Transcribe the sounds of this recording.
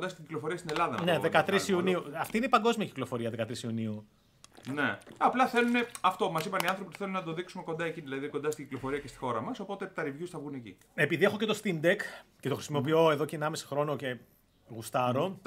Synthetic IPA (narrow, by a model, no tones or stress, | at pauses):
ond̪ɐst̪iɟiklo̞fo̞ɾiɐst̪inelɐðɐnneðekɐt̪ɾisiuniuɐft̪iineipɐŋɡo̞zmiɐciklo̞fo̞ɾiɐðekɐt̪ɾisiuniu | neɐplɐθelune̞ɐft̪o̞mɐsipɐniɐnθɾopipθelunɐt̪oðiksume̞kond̪ɐeciðilɐðiko̞nd̪ɐst̪iɟiklo̞fo̞ɾiɐcest̪i̥xo̞ɾɐmɐso̞po̞t̪e̞t̪ɐɾivʝusθɐvɣunecḭ | epiðie̞xo̞cet̪o̞st̪ind̪ekcet̪o̞xɾisimo̞pio̞e̞ðo̞ceːnɐmesi̥xɾo̞no̞ce̞ | ɣust̪ɐɾo̞